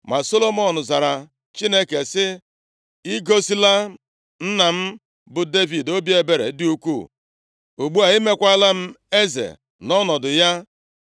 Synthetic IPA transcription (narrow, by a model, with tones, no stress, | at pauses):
ma˨so˦lo˦mɔ˨nʊ˨za˨ɾa˨ | t͡ʃi˦ne˦ke˨sɪ˦ | i˦ɡo˦si˦la˦ | n̩˦na˨m̩˦ | bʊ˨de˦vi˨do˦bje˦be˨ɾḛ˨dɪ˦u˦kʷṵ˦˨ | u˨ɡ͡bu˦a˨i˦me˦kʷa˦la˦m̩˦e˦zḛ˨ | nɔ˦nɔ˨dʊ˨ja˦